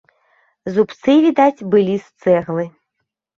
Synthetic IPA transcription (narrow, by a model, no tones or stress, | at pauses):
zupt̪sɨvʲid̪at͡sʲbɨlʲist̪sɛɣlˠɨ